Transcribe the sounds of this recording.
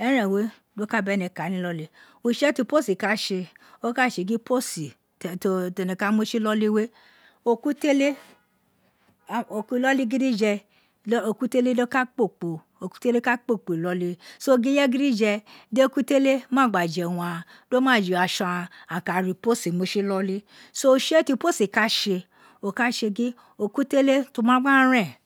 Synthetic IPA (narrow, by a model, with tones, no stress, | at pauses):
ɛ˦ɾɛ̃˨we˦ | do˦ka˦bɛ˦nɛ˧˨ka˨˦nĩ˦lɔ˦le˧˦ | o˧ʃɛ˦ti˧po˦si˨ka˦ʃe˧ | o˦ka˦˨ʃe˧˨ɡi˦po˦si˨ | to˧te˧˨nɛ̃˨ka˦mo˦ʃi˦lɔ˦le˦we˦ | o˧ku˦te˦le˦˨ | o˨ku˦lɔ˦li˦ɡi˦di˦d͡ʒɛ˧˦ | o˧˨ku˦te˦le˦de˦ka˦k͡po˦˨k͡po˨ | o˨ku̥˦te˦le˦ka˦k͡po˦˨k͡po˨i˨lɔ˦li˦so˦˧ɡi˦jɛ˦ɡi˦ɾi˦d͡ʒɛ˧de˦o˦ku˦te˦le˦mãː˦˨ɡ͡ba˨d͡ʒɛ˨wũ˧a˧˨ | do˦mãː˦˨d͡ʒi˨a˨ʃã˧a˧a˨ka˨ɾi˨˧po˦si˨mo˦ʃi˦lɔ˦li˦ | so˦˧ʃe˦ti˧po˦si˨ka˦ʃe˧ | o˧˨ka˦ʃe˧ɡĩ˦ | o˧ku˦te˦le˦to˧mã˦ɡ͡bã˦ɾ̃ɛ̃˦˨